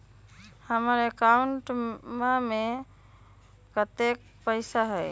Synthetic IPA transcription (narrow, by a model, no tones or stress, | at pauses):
həməɾekauɳʈmame | kət̪ek̚ | pəɪsaɦɛj